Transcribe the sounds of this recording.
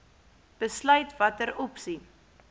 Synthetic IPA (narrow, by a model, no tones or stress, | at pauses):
b̥əslœɥtvɐtəɾɔpsi